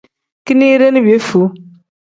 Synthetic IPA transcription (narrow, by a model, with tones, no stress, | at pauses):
ki˦ni˦ɾe˦nɪ̃˦bi˨e˦fu˨˦